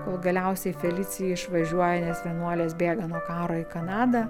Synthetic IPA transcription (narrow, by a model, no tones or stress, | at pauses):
koːlˠɡɐlʲɛʊsʲɛɪfʲɛlʲɪːsʲɪjɪɪʃʋɐʒʲuɔjɛnʲɛsʋʲɛnuɔlʲeːsbʲeːɡɐnuɔkɑːɾoːikɐnɑːd̪ɐ